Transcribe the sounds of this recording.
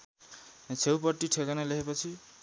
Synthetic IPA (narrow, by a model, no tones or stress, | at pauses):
t͡sʰewpʌʈːiʈʰekʌnʌleɦepʌt͡sʰi